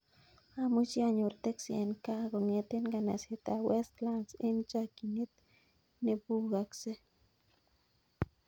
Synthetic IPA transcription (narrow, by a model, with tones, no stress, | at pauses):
a˦mu˦t͡ʃi˦a˦ɲo˨ɾt̪e˦ksi˨e˨nka˦ɡo˨ŋe˧t̪e˦nɡa˨na̰˨se˨t̪a˨wɛ˦st̪la˦nsɪ˦nt͡ʃa˦ki˨ne˦t̪̚ | nɪ˦bu˦ɡa˨kse˦